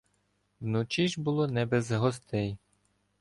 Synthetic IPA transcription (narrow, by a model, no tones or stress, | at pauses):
wnʊt͡ʃiʒbʊlˠɔnɛbɛzɦɔst̪ɛj